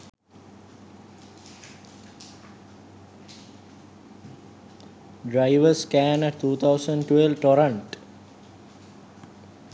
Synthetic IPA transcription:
ɖɾaɪʋəskæːnət̪ʰuːt̪ʰawsəɳɖʈwelʋʈoɾə̃ɳʈ

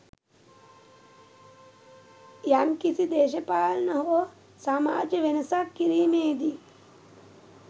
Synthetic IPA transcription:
jamkisid̪eːʃɐpaːlɐnɐɦoʋɐ | saːma̰ːd͡ʒɐʋenɐsaːkːiɾiːmeːd̪i

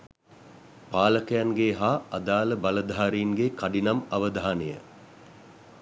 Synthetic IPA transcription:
paːləkəjaŋɡeɦaːad̪aːləbaləd̪ʱaːɾiːŋɡekaɖinamaʋəd̪aːnejə̰

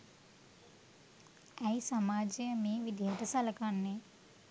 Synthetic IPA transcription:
æjsamaːd͡ʒijəmeːʋid̪ʱijəʈəsaləkanːe

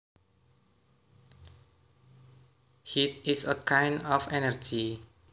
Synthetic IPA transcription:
hit̚isəkʰãj̃nɔfɛnəɹd͡ʒi

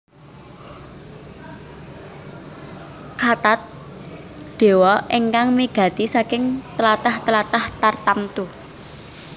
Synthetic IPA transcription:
kat̪at̪̚ | ɖ̪̥e̤wɔʔeŋkaŋmiɡ̥a̤t̪isakɪŋt̪əlat̪aht̪əlat̪aht̪art̪amt̪u

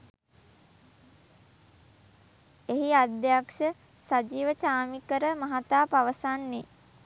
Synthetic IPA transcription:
eɦiad̪jakʂə | sad͡ʒiːʋət͡ʃaːmikəɾəmaɦat̪aːpaʋəsanːe

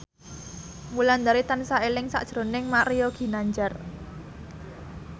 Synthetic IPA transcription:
muland̪aɾit̪ansaelɪŋsa̰ʔd̥ʒ̥ɾo̤nɪŋmaɾijoɡ̥i̤naɲd͡ʒar

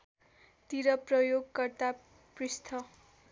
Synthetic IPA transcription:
t̪iɾʌprʌjoɡkʌrt̪a | prist̪ʰʌ

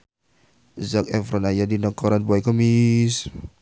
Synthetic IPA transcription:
zakɛfɾɔnajadinɔkɔɾanbɔɛkəmis

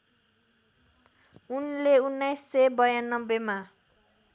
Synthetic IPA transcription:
unleunːajsːebʌjanːʌbːema

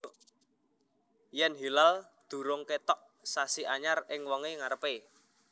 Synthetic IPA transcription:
jɛnɦilal | d̪̥ṳɾʊŋket̪ɔʔ | sasiʔaɲarɪŋwɔŋeŋaɾəpe

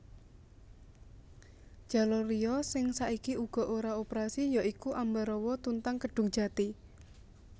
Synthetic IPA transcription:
ʒ̥a̤lɔriɔsɪŋsaʔikiuɡ̥ɔ̤ʔoɾaopəɾasijaikuʔambaɾɔwɔt̪unt̪aŋkəɖ̥ṳʊŋ̥d͡ʒ̥a̤t̪i

